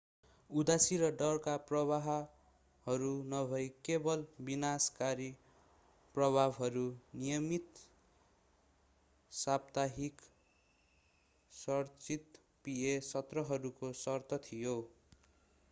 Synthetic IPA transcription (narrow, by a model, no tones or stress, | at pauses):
ud̪asiɾʌɖʌrkaprʌβaɦ | hʌɾunʌbʱʌjkebʌlbinaskaɾi | prʌbʱabɦʌɾunijʌmit̪ | sabt̪aɦik | sʌrt͡sit̪ | piesʌt̪rʌɦʌɾukosʌrt̪ʰʌt̪ʰijo